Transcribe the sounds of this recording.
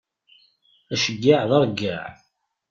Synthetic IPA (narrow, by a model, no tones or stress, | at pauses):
æʃəɡːaʕðəɾˤɡːaʕ